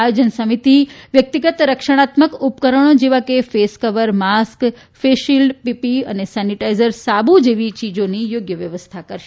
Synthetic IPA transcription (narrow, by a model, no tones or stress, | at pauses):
ajod͡ʒənsəmit̪iʋjək̚t̪iɡət̪ɾəkʃəɽ̃at̪məkupkəɾəɽ̃od͡ʒeʋakefeskəʋəɾmask | feʃilɖpipiə̰nesɛniʈaizəɾsabud͡ʒeʋit͡ʃid͡ʒonijoɡjəʋjəʋəst̪ʰakəɾʃe